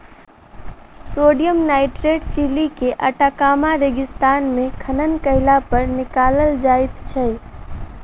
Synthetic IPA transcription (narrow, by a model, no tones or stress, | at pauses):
soːɖijəmnaːɪʈɾeɖsilikeʔəʈakaːmaɾeːɡɪst̪aːnmẽkʰənənkəɦɪlapəɾnɪkaːləld͡ʒaːɪt̪t͡ʃʰɛ